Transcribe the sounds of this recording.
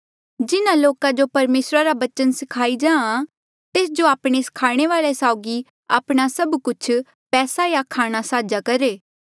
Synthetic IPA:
d͡ʒɪnãloːkãd͡ʒopɐɾmeːsɾaɾabɐt͡ʃənsɪkʰaːid͡ʒãːã | t̪eːsd͡ʒoaːpɽ̃eskʰaːɽ̃eʋaːlesaːʊɡi | a̰ːpɽ̃asɐbkʊt͡ʃʰ | pɛːsajakʰaːɽ̃asaːd͡ʒakɐɾeː

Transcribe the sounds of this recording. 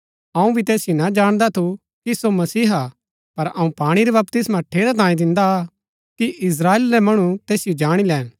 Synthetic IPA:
ɐ̃ũbʱit̪eːsɪjonad͡ʒaːɽ̃d̪at̪ʰu | kisomɐsiːɦa | pɐɾɐũpaːɽ̃iɾɛbɐpt̪ɪsmãʈʰeːɾat̪̬ãːĩd̪ɪ̃nd̪a | kiʔɪs̬ɾaːeːlɾɛmɐɽ̃ut̪eːsɪjod͡ʒaːɽ̃ilɛːn

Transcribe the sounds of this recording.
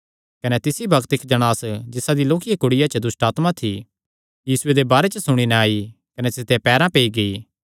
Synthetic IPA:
kɐnet̪ɪsibʱɐkt̪ɪkd͡ʒɐɽ̃aːsd͡ʒɪsad̪iloːkijekʊɽɪjat͡ʃəd̪ʊsʈaːt̪mat̪ʰi | jiːsʊed̪ebaːɾet͡ʃəsʊɽ̃inɛaːi | kɐnesɪt̪epɛːɾãpeːiɡɐiː

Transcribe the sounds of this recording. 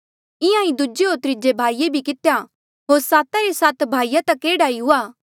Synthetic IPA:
ɪ̃ãĩd̪ud͡ʒeoːt̪ɾɪd͡ʒebʱaːijebʱikɪt̪eja | ɦoːɾsaːt̪aɾesaːt̪bʱaːijat̪ɐkːeːɽaːiɦʊaː

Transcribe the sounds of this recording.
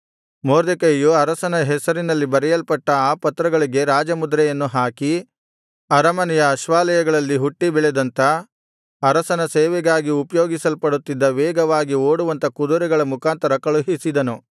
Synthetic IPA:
moːɾd̪ekɐjjuɐɾɐsɐnɐɦɛsɐɾinɐlːibɐɾɛjɐlpɐʈːɐaːpɐt̪ːɾɐɡɐɭiɡe̞ɾaːd͡ʒɐmud̪ɾɛjɐnːuɦaːki | ɐɾɐmɐnɛjɐːʃʋaːlɐjɐɡɐɭɐlːiɦuʈːibɛɭɛd̪ɐnt̪ɐ | ɐɾɐsɐnɐseːʋɛɡaːɡiupɐjo̞ːɡisɐlpɐɽut̪ːid̪ːɐʋeːɡɐʋaːɡio̞ːɽuʋɐnt̪ɐkud̪uɾɛɡɐɭɐmukaːnt̪ɐɾɐkɐɭuɦisid̪ɐnu

